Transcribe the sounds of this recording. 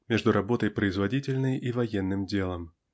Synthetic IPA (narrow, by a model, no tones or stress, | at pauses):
mʲeʐd̪ʊɾɐbo̞t̪əjpɾəɪzvɐdʲitʲɪlʲnəjʔivɐjenːɨmdʲelˠəm